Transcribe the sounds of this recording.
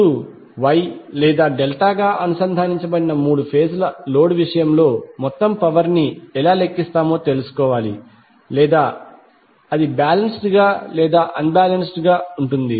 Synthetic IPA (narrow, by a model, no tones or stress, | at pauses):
u | ʋɐjlɛːd̪aːɖelʈaːɡaːʔɐnusɐnd̪ʱaːniɲt͡ʃɐbɐɽinɐmuːɽupʰeːslɐlo̞ːɽʋiʂɐjɐmlo̞ːmɔt̪ːɐmpɐʋɐɾniɛlaːle̞kːist̪aːmo̞ːt̪e̞lusu̥kɔːʋaːlḭ | lɛːd̪aː | ɐd̪ibaːlɐnsʈɡaːlɛːd̪aːʔɐnbaːlɐnsʈɡaːuɳʈund̪i